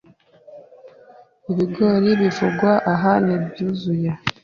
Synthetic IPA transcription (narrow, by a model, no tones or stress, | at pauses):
iβiɡoːɾiβifuɡwaʔaɦanibjuːzuja